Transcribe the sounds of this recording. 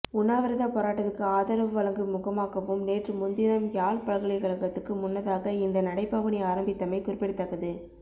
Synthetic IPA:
ʊnːaːʋɐɾɐðapoːɾaːʈːɐðɯkːɯaːðɐɾɐʋɯʋɐɭɐŋɡɯmʊɣɐmaːɣɐʋɯmneːʈrɯmʊnd̪ɪnɐmjaːlpɐɭɣɐɭɐɪkɐɭɐŋɡɐt̪ːɯkːɯmʊnːɐðaːɣɐɪnd̪ɐnɐɽɐɪpːaːʋɐnɐɪaːɾɐmbɪt̪ːɐmɐɪkʊɾɪpːɐɽɯt̪ːɐɣːɐðɯ

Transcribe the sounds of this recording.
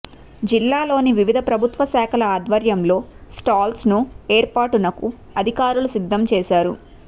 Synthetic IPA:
d͡ʒilːaːlo̞ːniʋiʋid̪ʱɐpɾɐbʱut̪ʋɐsaːkʰɐlɐaːd̪ʋɐɾjɐmlo̞ːsʈaːlsnueːɾpaːʈunːɐku | ɐd̪ʱikaːɾulusid̪ʱːɐmt͡ʃɛːʃaːɾu

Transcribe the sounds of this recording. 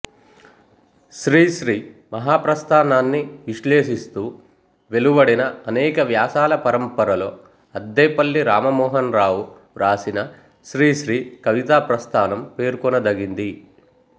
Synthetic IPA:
ʃɾiːʃɾiːmɐɦaːpɾɐst̪ʰaːnaːnːiʋiʃle̞ːʃist̪uː | ʋe̞luʋɐɽinɐɐnɛːkɐʋjaːsaːlɐpɐɾɐmpɐɾɐlo̞ː | ɐd̪ːɛjpɐlːiɾaːmɐmɔːɦɐnɾaːwu | ɾaːsinɐ | ʃɾiːʃɾiːkɐʋit̪aːpɾɐst̪ʰaːnɐmpe̞ːɾkɔnɐd̪ɐɡind̪i

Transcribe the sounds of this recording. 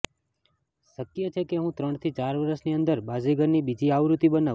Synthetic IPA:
ʃəkːijət͡ʃʰekeɦũt̪ɾəɳt̪ʰit͡ʃaɾʋəɾəʃniənd̪əɾbad͡ʒiɡəɾnibid͡ʒiaʋɾut̪ibəna

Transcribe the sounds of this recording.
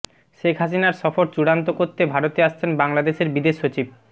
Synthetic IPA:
ʃekʰɦas̬inaɾʃɔfoɾt͡ɕuɽant̪okoɾt̪ebʱaɾot̪eaʃt͡ɕʰenbaŋlad̪eʃeɾbid̪eʃːot͡ɕib̚

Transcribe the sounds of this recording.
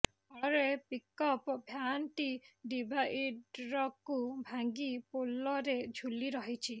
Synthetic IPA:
ɔɾepikɔpɔbʱjanʈiɖibʱaʔiɖɾɔkubʱaŋɡipolɔɾed͡ʒʱuliɾɔɦit͡ʃʰi

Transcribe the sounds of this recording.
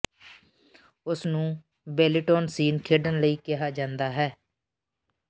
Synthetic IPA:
ʊsnũː | bɛːlɪʈoːnsiːnkʰeːɖənləiːkɪɦaːd͡ʒãːnd̪aːɦɛː

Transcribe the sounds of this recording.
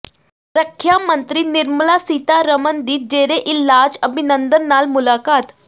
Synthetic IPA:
ɾəkʰːjamənt̪ɾinɪɾməlasiːt̪aɾəmənd̪iːd͡ʒeːɾeʔɪlaːd͡ʒəbʱinənd̪ənːaːlmʊlaːkaːt̪

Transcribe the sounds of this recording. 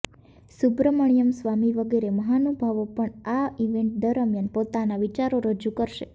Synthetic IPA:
subɾəməɳ̃ijəmsʋamiʋəɡeɾeməɦanubʱaʋopəɳaiʋẽɳʈ̚d̪əɾəmjanpot̪anaʋit͡ʃaɾoɾəd͡ʒukəɾʃe

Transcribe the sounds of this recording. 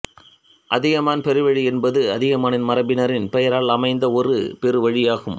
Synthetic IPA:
ʔɐðɪɣɐmaːnpɛɾɯʋɐɻiɛnbɐðɯɐðɪɣɐmaːnɪnmɐɾɐbɪnɐɾɪnpɛjɐɾaːlɐmɐɪnd̪ɐɔrɯ̰pɛɾɯʋɐɻɪjaːɣɯm

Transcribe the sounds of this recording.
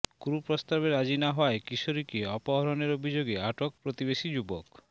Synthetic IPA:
kuɾupɾɔst̪abeɾad͡ʒinaɦɔaekisoɾikieɔpɔɦɔɾɔneɾobʱid͡ʒoɡeaʈok̚pɾot̪ibesid͡ʒubɔk

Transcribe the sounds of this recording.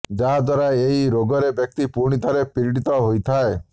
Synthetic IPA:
d͡ʒaɦad̪waɾaeɦiɾoɡɔɾebjɔk̚t̪ipuɾ̃it̪ʰaɾepiɾiɽit̪ɔɦojt̪ʰae

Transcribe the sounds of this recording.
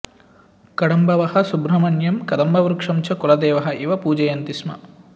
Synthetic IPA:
kɐɽɐmbɐʋɐhɐ̆subɾɐmɐnjɐmkɐd̪ɐmbɐʋɐɾukʂɐmt͡ʃʰɐkulɐd̪eːʋɐɦɐ̆ʔiʋɐpuːd͡ʒɐjɐnt̪ismɐ̰

